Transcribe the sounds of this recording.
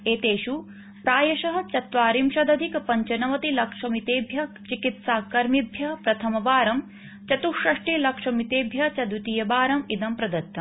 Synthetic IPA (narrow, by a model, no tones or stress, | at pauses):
eːt̪eːʃu | pɾaːjɐʃɐɦɐ̆t͡ʃɐt̪ʋaːɾimʃɐd̪ɐd̪ʱikpɐɲt͡ʃɐnɐʋɐt̪ilɐkʂɐmit̪eːbʱjɐ | t͡ʃikit̪saːkɐɾmibʱjɐpɾɐt̪ʰɐmɐbaːɾɐm | t͡ʃɐt̪uʃɐʂʈilɐkʂɐmit̪eːbʱjɐt͡ʃɐd̪ut̪ijɐbaːɾɐmid̪ɐmpɾɐd̪ɐt̪ːɐ